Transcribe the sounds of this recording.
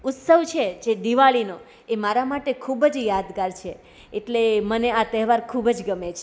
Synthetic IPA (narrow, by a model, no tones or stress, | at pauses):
ʊt̪səʋt͡ʃʰed͡ʒed̪iʋaɭino | emaɾamaʈekʰubd͡ʒjad̪ɡaɾt͡ʃʰe | eʈleməneat̪ɛɦʋaɾkʰubd͡ʒɡəmet͡ʃʰe